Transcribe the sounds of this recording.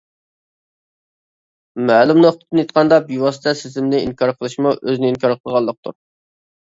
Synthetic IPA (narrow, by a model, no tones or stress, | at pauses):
mæːlumnoχt̪ʰə̥t̪ʰːɨnjit̪̚qʰɑnd̪ɑbjiwɑst̪ɛsɪzɪmnɪḭŋkʰɑɾqʰəlˠɨʃmuʔøzɪnɪiŋkʰɑɾqʰəlˠʁɑlˠːəq̚t̪ʰṵɾ